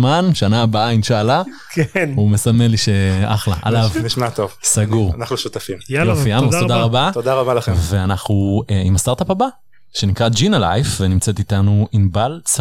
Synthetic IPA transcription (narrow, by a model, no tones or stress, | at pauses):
manʃanaːbaʔainʃaːla | kʰenume̞samenliʃea̰χla̰ʔa̰lavniʃmat̪ovsaɡuʁnaχnuʃut̪afimjofiammot̪od̪aʁabat̪od̪aʁabalaeveanaχnueimastaʁt̪apaba | ʃe̞nikʁad͡ʒinala̰jfvenimt͡set̪it̪anuinbalt͡s